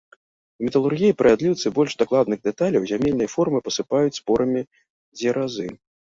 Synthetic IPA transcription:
mʲɛt̪ɐlˠurɣʲijipɾɐvʲad̪lʲiwt̪sɨbɔlʲʂd̪aklˠad̪nɨɣd̪ɛt̪alʲɐwzʲamʲelʲnɐjɐfɔrmɨpɐsɨpajut͡sʲspɔɾɐmʲi | d͡zʲɛɾʔazɨ

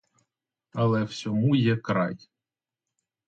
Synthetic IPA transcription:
ɐlˠɛw̥sʲɔmujɛkɾɑ̰j

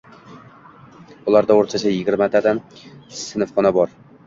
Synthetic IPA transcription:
ʊlˠaɾd̪aoɾt̪ʰat͡ʃʰajɪɡʲɪɾmat̪ʰad̪amssɪnfχɒnabɒɾ

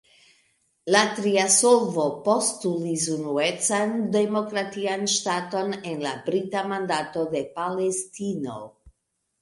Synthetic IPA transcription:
latɾiasolvo̞po̞stulis̬unuet͡sande̞mo̞kɾatianʃtato̞ne̞nlabɾitamandato̞de̞pale̞stino̰

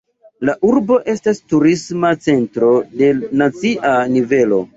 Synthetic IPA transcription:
laʔuɾbo̞ʔe̞stastuɾismat͡se̞ntɾo̞de̞nat͡siʔanive̞lo̞̰

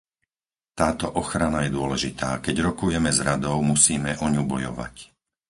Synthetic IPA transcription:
t̪aːt̪ɔʔɔxɾanajɛd̪ʊɔlɛʒit̪a̰ːkɛɟɾɔkujɛmɛzɾad̪ɔʊmusiːmɛʔɔɲubɔjɔ̰ʋa̰c

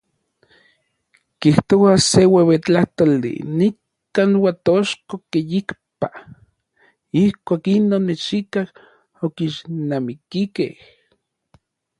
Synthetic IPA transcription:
kiht̪oasewewet͡ɬaht̪olːḭnikː | aːnwat̪oʃkokejikpa | ihkʷaːkinoːnːet͡ʃikah | okiʃnamikikḛh

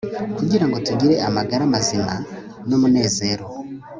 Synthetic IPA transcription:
kuɟiɾaŋɡo̞tuɟiɾe̞ʔamaɡaɾamazina̰ | no̞mune̞ːze̞ːɾo̞

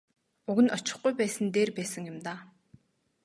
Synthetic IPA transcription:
uɣɘ̆nɔt͡ɕɪ̥̆χɡujpæːsə̆nt̪eːrpæːsə̆ŋjʊmt̪aː

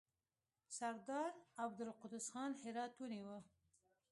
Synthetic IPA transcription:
saɾd̪ɑːɾab̚d̪ɨlqʊd̪ɨsxɑːnħeɾɑːt̪wɨniwə

